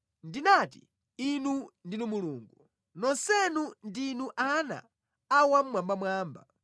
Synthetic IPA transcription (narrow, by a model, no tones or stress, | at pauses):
ndinatḭ | inundinumuluːŋɡu | nɔnsɛnundinuʔana̰ː | wam̩mwambamwaːmba̰